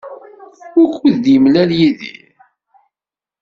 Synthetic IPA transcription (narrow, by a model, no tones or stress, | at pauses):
ʊɾkuðd̪jəmlæljiðḭ